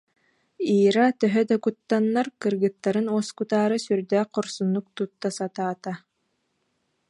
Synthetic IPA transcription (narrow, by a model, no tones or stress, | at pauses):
iːɾat̪œɦœd̪akut̪ːanːaɾkɯɾɡɯt̪ːaɾɯnɔɔskut̪aːɾɯsyɾd̪ɛːqɔɾsunːuk̚t̪ut̪ːasat̪aːt̪a